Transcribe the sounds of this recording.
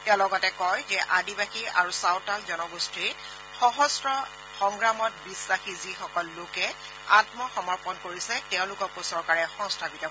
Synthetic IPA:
tɛʊ̃lɔɡɔtɛkɔjzɛʔadibaxia̰ɹusawtalzɔnɔɡustiɹ | xɔɦɔsɹɔ | xɔŋɡɹamɔt̚bisɹaxizixɔkɔlːokɛ | atmɔxɔmɔɹpɔnkoɹisɛtɛʊ̃lʊkɔkosɔɹkaɹɛxɔ̃ŋstʰabitɔ

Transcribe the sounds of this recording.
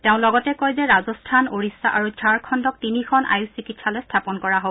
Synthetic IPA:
tɛʊ̃lɔɡɔtɛkɔjzɛɹazɔstʰanoɹisːaʔaɹud͡ʒʱaɹkʰɔndɔk̚tinikʰɔna̰jusikitsalɔstʰapɔnkɔɹaɦo

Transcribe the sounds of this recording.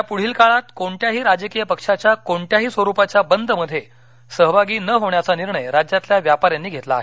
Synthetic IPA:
japuɽ̤iːlkaɭat̪koɳʈjaɦiːɾad͡ʑəkijəpəkʂat͡ɕjakoɳʈjaɦiːsʋəɾupat͡ɕjabənd̪ʱəməd̪ʱːje | səɦʋʱaɡiːnəɦoɳjat͡saniɾɳəjɾad͡ʑjat̪ljaʋjapaɾjanːiːɡʱet̪la̰ːɦe

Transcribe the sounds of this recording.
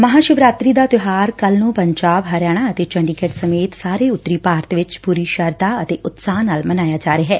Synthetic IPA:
məɦaːʃɪʋɾaːt̪ɾiːd̪aːt̪ʊɦaːɾkəlnũːpəɲd͡ʒaːbɦəɾjaːɽ̃aːət̪eːt͡ʃəɳɖikeːʈsəmeːt̪saːɾeːʊt̪ːɾiːpaːɾt̪ʋɪt͡ʃpuːɾiːʃəɾd̪aːət̪eːʔʊt̪saːnaːlmənaːjaːd͡ʒaːɾeːɦɛː

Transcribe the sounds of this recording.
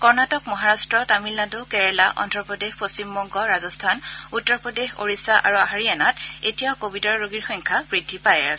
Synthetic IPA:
kɔɹnatɔkmɔɦaɹastɹɔtamilnadokɛɹɛlaʔɔ̰ndɹɔpɹɔdexpost͡ɕimbɔŋɡɔɹazɔstʰanutːɔɹpɹɔdexo̰ɹisaʔa̰ɹuaɦaɹianatetijaʊkobidɔɹːoɡiɹxɔŋkʰabɹidʱːipaja̰s

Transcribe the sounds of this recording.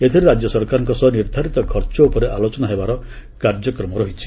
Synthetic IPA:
et̪ʰiɾeɾad͡ʒjɔsɔɾkaɾɔŋkɔsɔɦɔniɾd̪ʱaɾit̪ɔkʰɔɾt͡ʃɔupɔɾeʔalot͡ʃɔnaɦebaɾɔkaɾd͡ʒjɔkɾɔmɔɾɔɦit͡ʃʰi̥

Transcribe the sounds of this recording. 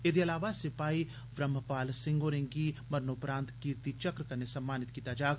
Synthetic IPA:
ɪd̪iɐlaːʋasɪpaːi | ʋɾɐmːəpaːlsɪ̃ŋɡoːɾẽŋɡimɐɾnoːpɾãːnt̪kiːɾt̪it͡ʃɐkɾkɐɾnesɐmːaːnɪt̪kit̪aːd͡ʒaːɡ

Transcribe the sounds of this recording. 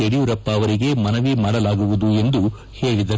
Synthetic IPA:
eɽiuɾɐpːaːʋɐɾiɡe̞mɐnɐʋimaːɽɐlaːɡuʋud̪ue̞nd̪u | he̞ːɭid̪ɐ

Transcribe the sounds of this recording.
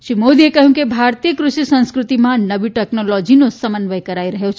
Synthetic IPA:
ʃimod̪iekəɦũkebʱaːɾtt̪ijəkɾuʃisɐ̃nskɾut̪imãnɐʋiʈeknɔlɔd͡ʒinosɐmənʋəjkɐɾaːiɾɐɦot͡ʃʰ

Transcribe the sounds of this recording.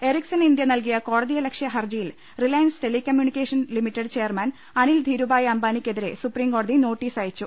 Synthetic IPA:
e̞riksɐnind̪jɐnɐlkijɐko̞ːɽɐðijɐlɐkʂjɐɦɐrd͡ʑɐjil | rilɐjnsʈelikʲːɐmjunikʲːeːʂɐnlimitːeɖt͡ɕejɐrmɐn | ɐnild̪ʱiːɾubaːjɐmbaːnikʲːe̞ðiɾe̞̰supriːmkoːɽɐðino̞ːʈːiːsaːjit͡ɕːu

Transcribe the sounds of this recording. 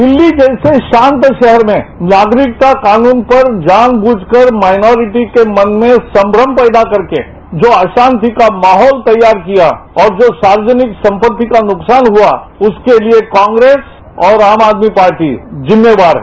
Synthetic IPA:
d̪ɪlːid͡ʒɛːseʃãːnt̪ʃɛɦɛɾmẽnaːɡɾɪk̚t̪akaːnuːnpɐɾd͡ʒaːnbuːd͡ʒʱkəɾmaːɪnɔːɾɪʈikemɐ̃nmẽsɐ̃mbɾəmpɛːd̪akɐɾkḛ | d͡ʒoːaːʃãːnt̪ikamaːɦɔːlt̪ɐjːaːɾkijaɔːɾd͡ʒoːsaːɾwəd͡ʒənɪksɐ̃mpət̪ːikanʊksaːnɦuaʊskeliekãːŋɡɾeːs | ɔːɾaːmaːd̪mipaːɾʈizɪmːeʋaːɾɦɛ

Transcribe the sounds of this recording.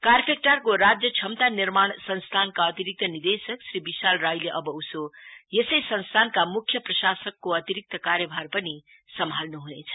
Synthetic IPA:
karpʰek̚ʈarkoɾad͡zjʌt͡sʰʌmt̪anirmaɳsʌnst̪ʰankaʌt̪iɾik̚t̪ʌnid̪esʌksribisalrajleʔʌbʌusojesʌjsʌnst̪ʰankamukʰjʌprʌsasʌkːoʌt̪iɾik̚t̪ʌkaɾjʌbʱarpʌni | sʌmʱalnuɦunet͡sʰʌ̥

